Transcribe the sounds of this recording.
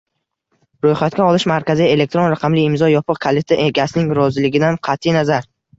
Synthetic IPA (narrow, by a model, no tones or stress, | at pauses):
ɾojχat̪̚kʲaɒlˠɪʃmaɾkʲazie̞le̞k̚t̪ɾonɾaqʰɑmlɪɪmzɒjɒpʰɨqkʰalet̪ʰaʔe̞ɡʲasɪnɪŋɾɒzɪlɪɡʲɪd̪anqʰɑt̪ʰːɪjnazaɾ